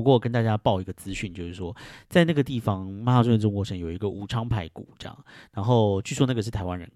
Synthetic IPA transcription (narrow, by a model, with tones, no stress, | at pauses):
u˧kwɔ˥˩kə˥nt̪a˥˩t͡ɕja˥pɑ˥˩ʊi˧˥ɡə˧t͡sɹ̩˥ɕy˥˩nt͡ɕjo˥˧ʊʂ̩˥˩ʂwɔ˥t͡sa˥˧ɪna˥˩ə˩t̪i˥˩fɑ˧ŋma˥a˧˩swʈ͡ʂʊ˥ŋkwɔ˧˥ʂə˧˥ŋjo˨˩ʊi˧˥ɡə˧ʔu˨˩ʈ͡ʂʰɑ˥ŋpʰa˧˥ɪkṵ˨˩˦ʈ͡ʂɤ˥jɑ̰˨˩ŋɻa˧˥nxo˥˧ʊt͡ɕʰy˥˩swɔ˥na˥ɡə˩ʂɻ̩˥˩t̪ʰa˧˥ɪwa˦nɻə̰˧n